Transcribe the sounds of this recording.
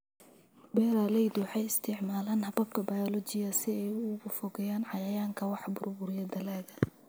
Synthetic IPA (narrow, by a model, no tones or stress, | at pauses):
bɛːɾalɛjd̪wɑħɑjɪst̪ʰɪʕmaːlaːnhɐbɐb̚kʰɐbajɔlɔt͡ʃɪjɐsɪɛjʊɣʊfɔɣɛjaːnʕɑjɐjaːŋkʰɐwɑħbʊrbʊɾjɐd̪ɐlɛːɣɐ